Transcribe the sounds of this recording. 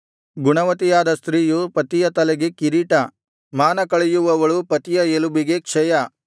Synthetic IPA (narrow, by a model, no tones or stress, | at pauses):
ɡuɳɐʋɐt̪ijaːd̪ɐst̪ɾiːjupɐt̪ijɐt̪ɐlɛɡekiɾiʈɐ | maːnɐkɐɭejuʋɐʋɐɭupɐt̪ijɐelubiɡe̞kʂɛjɐ